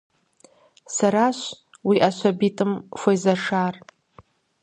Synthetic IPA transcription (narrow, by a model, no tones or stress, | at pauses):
saɾaʃʷ | wiʔaʃʷabitʼɨmfʷojzaʂar